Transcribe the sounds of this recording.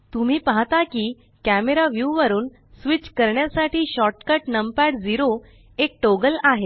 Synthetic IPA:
t̪um̤iːpaɦt̪akiː | kæmeɾaʋjuʋəɾuːn | sʋit͡ɕkəɾɳjasaʈiːɕɔʈkəʈnəmpaɽd͡ziɾo | ek̚ʈoɡəlaɦe

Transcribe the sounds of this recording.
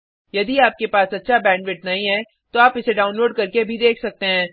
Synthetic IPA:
jɐd̪iaːp̚kepaːsɐtːʃʰabɛ̃ːɳɖʋɪʈ̚nɐɦĩɦɛ̃ː | t̪oaːpɪseɖaːʊnloːɖ̚kɐɾkebʱid̪eːkʰsɐk̚t̪eɦɛ̃ː

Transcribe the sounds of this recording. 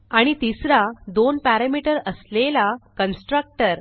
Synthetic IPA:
aɽ̃it̪isɾad̪onpæɾamiʈəɾəslelakənsʈɾək̚ʈəɾ

